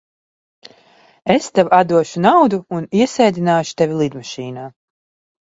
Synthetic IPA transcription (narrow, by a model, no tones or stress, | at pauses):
est̪ɛvad̪uɔʃunawd̪uuniɛsɛjd̪ʲinaːʃu̥t̪ɛvʲilˠid̪maʃiːnaː